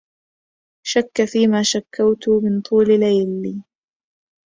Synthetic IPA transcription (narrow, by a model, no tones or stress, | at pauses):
ʃakːafiːmaːʃakːawt̪ʊmɪnt̪ˤuːllajlːiː